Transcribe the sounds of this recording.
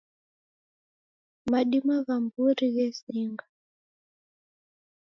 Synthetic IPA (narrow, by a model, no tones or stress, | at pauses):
maɗimaβambuɾiɣɛziːŋɡa